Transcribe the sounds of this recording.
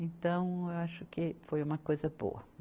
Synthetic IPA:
ẽnt̪ɐ̃w̃ewaʃʊkɪfojũmɐkojzɐbo̰ɐ

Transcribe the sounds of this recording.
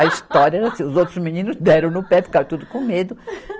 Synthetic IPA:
ɐist̪ɔɾjɐɛɾɐsĩʊzowt̪ɾʊzminĩnʊzd̪ɛɾɐ̃w̃nʊpɛfi̥kaɾɐ̃t̪ud̪ʊkõmed̪ʊ

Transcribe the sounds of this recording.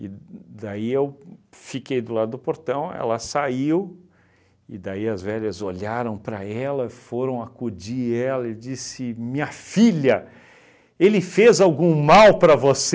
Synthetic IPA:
ɪd̪aiewfikejd̪ʊlad̪ʊd̪ʊpoɾt̪ɐ̃w̃ɛ̰lɐsaiw | ɪd̪aiɐzvɛʎɐzoʎaɾɐ̃w̃pɾɐ̰ɛlɐfoɾɐ̃w̃akud͡ʒiɛlɐɪd͡ʒisɪmĩɲɐfilɐ | elɪfezawɡũmawpɾɐvos

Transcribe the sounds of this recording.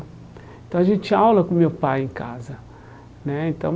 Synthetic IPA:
ẽt̪ɐ̃w̃aʒẽnt͡ʃawlɐkõmewpajẽka̰zɐ | nɛẽnt̪ɐ̃w̃

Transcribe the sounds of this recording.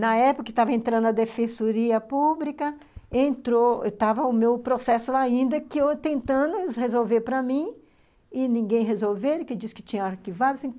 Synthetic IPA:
nɐɛpʊkɐkɪt̪avɐẽnt̪ɾɐ̃nd̪ʊɐd̪efẽsoɾiɐpublikɐ | ẽnt̪ɾoet̪avɐʊmewpɾosɛsʊlaĩnd̪ɐkɪewt̪ẽnt̪ɐ̃d̪ʊhezowveɾpɾɐmĩ | ɪnĩɡẽj̃ɦezowveɾʊkɪd͡ʒisɪ̥kɪ̥t͡ʃĩɲɐaɾkivad̪ʊɐasĩ

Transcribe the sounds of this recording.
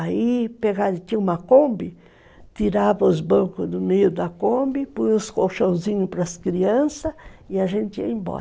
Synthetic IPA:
aipeɡad̪ɪk̪iũmɐkõmbɪ | t̪iɾavɐʊzbɐ̃ŋkʊzd̪ʊmejʊd̪ɐkõmbɪpũjʊskowʃõw̃zĩɲʊpɾɐskɾiɐ̃sɐɪɐʒẽnt̪ɪḭɐẽbɔ̰ɾɐ

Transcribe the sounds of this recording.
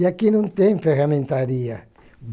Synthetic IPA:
jakinunt̪eɱferament̪aɾia | b

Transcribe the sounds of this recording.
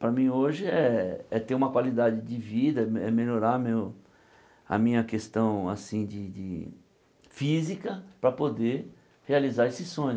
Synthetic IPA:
pɾɐmĩoʒɪɛɛt̪eɾũmɐkwalid̪ad͡ʒɪd͡ʒɪvid̪ɐɛɛmeʎoɾaɾmew | ɐ̰mĩɲɐkest̪ɐ̃w̃a̰sĩd͡ʒɪd͡ʒɪ | fizikɐpɾɐpod̪e | healizaɾesɪsõj̃

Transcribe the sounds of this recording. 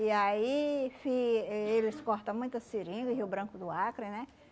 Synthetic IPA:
iaifiɛelɪskɔɾt̪ɐ̃mũj̃t̪ɐsiɾĩɡʊɪɦiwbɾɐ̃kʊd̪ʊakɾɪnɛ

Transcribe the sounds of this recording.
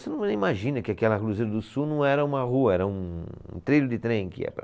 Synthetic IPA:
senɐ̃w̃nẽĩmaʒĩnɐkɪakɛlɐkluzeɾɐd̪ʊsunɐ̃w̃ɛɾɐũmɐɦuɐɛɾɐũṵ̃t̪ɾiʎʊd̪ɪt̪ɾẽj̃kɪɛ̰pɾɐ

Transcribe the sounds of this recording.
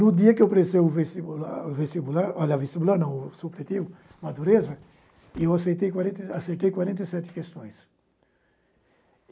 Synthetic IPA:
nʊd̪iɐkɪeowpɾesejʊvest̪ibulavest̪ibulaɾɔʎɐvest̪ibulaɾnɐ̃w̃sopɾet̪iw | mad̪uɾezɐ | ewasejt̪ejkwaɾẽnt̪asejt̪ejkwaɾẽnt̪ɐjsɛt̪ɪ̥kest̪õj̃s

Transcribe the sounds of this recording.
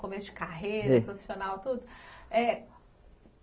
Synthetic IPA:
komesʊd͡ʒɪkaɦejɾɐpɾofi̥sionawt̪ud̪ʊɛ

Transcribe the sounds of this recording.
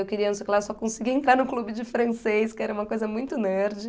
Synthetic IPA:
ewkɪɾiɐnõsejkɪlasɔkõsɪɡiẽnt̪ɾaɾnʊklubɪd͡ʒɪfɾɐ̃sejskɪɛɾɐũmɐkojzɐmũj̃t̪ʊneɾd͡ʒɪ

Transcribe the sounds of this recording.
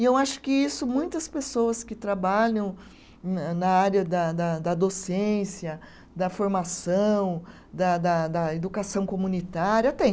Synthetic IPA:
ɪewaʃʊ̥kɪisʊmũj̃t̪ɐspesoɐskɪt̪ɾabaʎɐ̃w̃ | nɐaɾjɐd̪ɐd̪ɐd̪ɐd̪osẽsjɐ | d̪ɐfoɾmasɐ̃w̃ | d̪ɐd̪ɐd̪ɐed̪ukasɐ̃w̃komunit̪aɾjɐt̪ẽ

